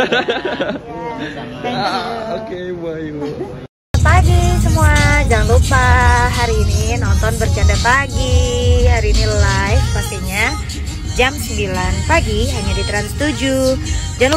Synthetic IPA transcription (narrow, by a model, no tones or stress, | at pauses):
t̪ɛŋkokebaj | əpaɡisəmuad͡ʒaŋlupaɦaɾiːninɔnt̪ɔnbərt͡ʃiadapaɡiɦaɾiːnilajfpast̪iɲa | d͡ʒamsəmbilanpaɡiɦaɲadit̪əɾant̪ud͡ʒu | d͡ʒaŋ